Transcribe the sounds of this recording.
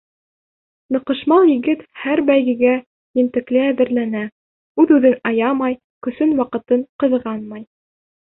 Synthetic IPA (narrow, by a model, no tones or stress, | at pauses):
nɤ̆qɤ̆ʃmɑlˠjɘ̆ɡɘt̪hæɾbæjɡɘ̆ɡæ | jɘ̆nt̪ɘ̆klɘæðɘ̆ɾlænæ | ʉðʉðɘnɑjɑmɑj | kɵ̆sɵnwɑqɤ̆t̪ɤɴqɤ̆ðʁɑnmɑj